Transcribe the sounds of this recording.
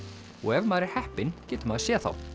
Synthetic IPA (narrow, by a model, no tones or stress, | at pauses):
ɔɣɛvmaːɾɪɾ̥hɛhpɪncɛːt̪ʏmaːðsjɛːθa̰w